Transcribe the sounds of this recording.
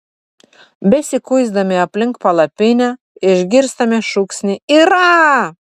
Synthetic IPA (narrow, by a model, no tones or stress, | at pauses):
besʲikujzd̪ɑmeɑplʲɘŋk̚pɑlɑpenʲɑ | eʒɡirst̪ɑmeʃuksnʲiiɾɑ